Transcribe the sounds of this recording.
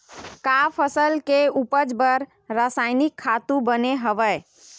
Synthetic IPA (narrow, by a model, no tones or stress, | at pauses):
kapʰəsəlkeupəd͡ʒbəɾ | ɾasaɪnikʰːat̪ũbəneɦəʋəɪ